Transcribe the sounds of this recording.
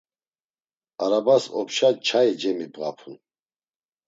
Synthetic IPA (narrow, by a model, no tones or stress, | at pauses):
aɾabasɔ̰pʃat͡ʃʰaid͡ʒɛmibʁa̰pʰun